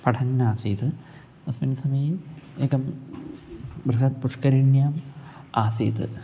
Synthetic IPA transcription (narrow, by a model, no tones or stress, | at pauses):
pɐʈʰɐnːaːsiːt̪ɨ | nɐsminɐsɐmiːeːkɐm | brɐɦɐt̪̚puʂkɐɾinjaːmaːsiːt̪ɨ̰